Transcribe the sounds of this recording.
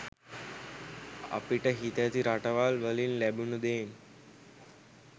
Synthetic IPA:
a̰piʈəɦit̪æt̪iɾaʈəʋaːlʋəlinlæbunud̪eːn

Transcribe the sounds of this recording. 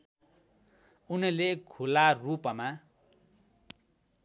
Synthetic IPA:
unilekʰularupʌma

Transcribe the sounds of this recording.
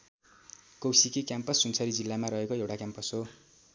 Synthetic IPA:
kʌwsikekjampʌsːunt͡sʰʌɾid͡zilːamaɾʌɦekoewʈakjampʌsɦo

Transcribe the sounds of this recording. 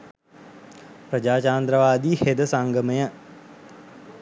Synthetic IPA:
pɾəd͡ʒaːt͡ʃaːnd̪ɾəʋaːd̪iːhed̪əsaŋɡəməjə

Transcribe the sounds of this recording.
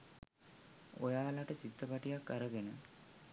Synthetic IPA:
ojaːlaʈət͡ɕit̪ːəpaʈijakːaɾəɡenə

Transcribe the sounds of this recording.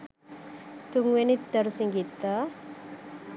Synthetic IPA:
t̪uŋwenit̪̚d̪əɾsiŋɡit̪a

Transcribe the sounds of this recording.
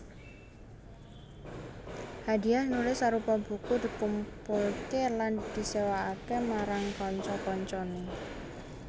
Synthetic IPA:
had̪i̤ahnulɪsaɾupɔbṳkud̪̥i̤kumpulkeland̪̥i̤sewaakemaɾaŋkɔɲt͡ʃɔkɔɲt͡ʃɔne

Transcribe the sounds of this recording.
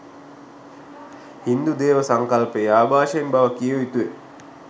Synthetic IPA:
hind̪ud̪eːʋəsaŋkɐlpəjaːbʱaːʃəjenbaʋəkijəʋit̪ue

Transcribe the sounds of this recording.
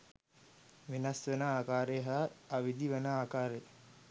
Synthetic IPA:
ʋenasʋənaaːkaːɾeɦaːʋid̪iʋənaaːkaːɾe

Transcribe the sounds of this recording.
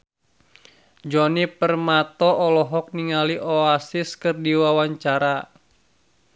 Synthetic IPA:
d͡ʒɔnipərmat̪ɔʔːlɔɦɔk̚niŋaliʔɔasiskɨrdiwawaɲt͡ʃaɾa

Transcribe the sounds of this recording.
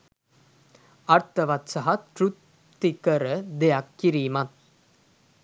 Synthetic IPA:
ɐɾt̪ɐʋɐt̪sɐɦɐt̪ːɾut̪ː | ikəɾəd̪ejakːiɾiːmat̪̚

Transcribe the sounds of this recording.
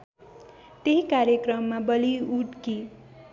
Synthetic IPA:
t̪eɦikaɾjekrʌmːabʌliuʈki

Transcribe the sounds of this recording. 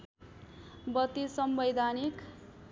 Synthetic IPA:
bʌt̪isʌmbʌjd̪ʱanik

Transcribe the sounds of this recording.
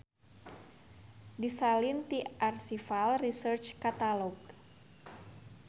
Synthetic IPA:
disalint̪iʔarsifalrisərt͡ʃkat̪alɔɡ

